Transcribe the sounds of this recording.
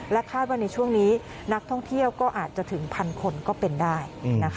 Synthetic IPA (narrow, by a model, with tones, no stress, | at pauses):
lɛ˦˥wk̪ʰaː˥˩waː˥˩na˧jt͡ɕʰu˥˩əŋniː˦˥ | na˦˥k̚t̪ʰɔ˥˩ŋt̪ʰi˥˩əwkɔː˥˩ʔaː˨˩t̪̚t͡ɕa˨˩t̪ʰɯ˩˦ŋpʰa˧nkʰo˧nkɔː˥˩pe˧ndaː˥˩jna˦˥kʰ